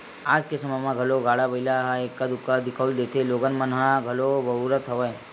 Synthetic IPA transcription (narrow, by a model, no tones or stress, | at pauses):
ad͡ʒkesəməjmãɡʱəloɡaːɭabəilaɦaekːad̪ʊkːad̪ɪkʰəuld̪eːt̪ʰeloːɡənmənɦãɡʱəlobəuɾət̪ʰəʋəj